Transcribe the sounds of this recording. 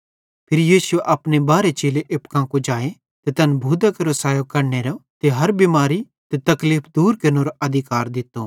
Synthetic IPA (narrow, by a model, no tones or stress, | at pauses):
pʰɪɾjiːsʊeʔɐpnebaːɾet͡ʃeːleʔɪpkãkud͡ʒaːe | t̪et̪ɐnbʱuːd̪ɐkɾosaːjokɐɾneɾot̪eɦɐɾbimaːɾi | t̪et̪ɐkliːpʰd̪uːɾkɐɾnoɾoʔɐd̪ʱɪkaːɾd̪ɪt̪ːo